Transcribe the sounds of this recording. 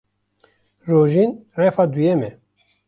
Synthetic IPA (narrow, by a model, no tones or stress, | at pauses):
roːʒiːnrɛfaːd̪ujɛmɛ